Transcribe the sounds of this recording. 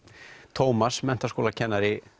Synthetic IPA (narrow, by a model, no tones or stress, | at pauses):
t̪ʰowmasmɛnt̪askoːlacʰɛnːaɾɪ